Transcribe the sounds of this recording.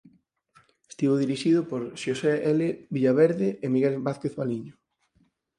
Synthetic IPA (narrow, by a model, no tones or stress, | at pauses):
est̪iβoðiɾiʃiðʊpoɾʃoseʔelebiʎaβɛɾðɪʔemiɣelbaθkeθβaliɲo